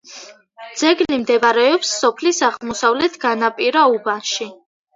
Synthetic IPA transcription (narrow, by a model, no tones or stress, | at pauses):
d̪z̥ɛɡlimd̪ɛvaɾɛɔpsːɔpʰlisaʁmɔsavlɛt̪ʰɡ̥anapʼiɾaubanʃi